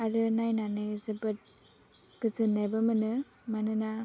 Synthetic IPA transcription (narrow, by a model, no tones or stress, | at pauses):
aɾɯnajnanɯzɯbɯt̚ | ɡ̥ɯzɯnːajbɯmɯnɯ | manɯna